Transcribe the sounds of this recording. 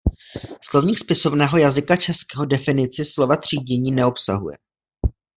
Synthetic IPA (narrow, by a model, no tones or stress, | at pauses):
slo̞vɲiːkspɪso̞vnɛːɦo̞jazɪkat͡ʃɛskɛːɦo̞dɛfɪnɪt͡sɪslo̞vat̪r̝̥iːɟɛɲiːnɛo̞psa̰ɦujɛ̰